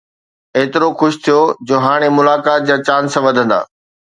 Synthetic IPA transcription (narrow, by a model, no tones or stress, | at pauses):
eːt̪ɪɾoxʊʃt̪ʰijod͡ʑoːɦaːɽ̃emʊlaːkaːt̪̚d͡ʑaːt͡ɕaːnsãʋɐd̪ʱə̃nd̪a̰ː